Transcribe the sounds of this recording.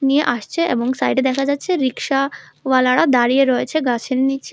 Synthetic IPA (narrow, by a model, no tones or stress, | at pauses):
nijeʔaʃt͡ɕʰeʔḛboŋsajɖed̪ɛkʰad͡ʑatːɕʰeɾikʃa | walaɽad̪aɾijeɾɔjet͡ɕʰeɡat͡ɕʰennit͡ɕʰe